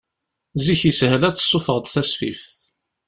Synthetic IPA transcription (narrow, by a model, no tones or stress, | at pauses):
ziçishəlæt͡sːə̥sˤːʊfəʁd̪ˤθæsfḭfθ